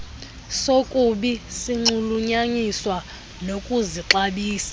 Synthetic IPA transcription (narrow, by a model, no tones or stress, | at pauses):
sokʼuɓisiŋ͡ǃuluɲaɲiswa | nokʼuziǁaɓiːsḁ